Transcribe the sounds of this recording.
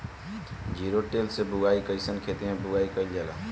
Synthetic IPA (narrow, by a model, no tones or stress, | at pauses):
d͡ʒiɾoʈelsebʊɡaikəɪsənkʰet̪iɦẽbʊɡaikəld͡ʒela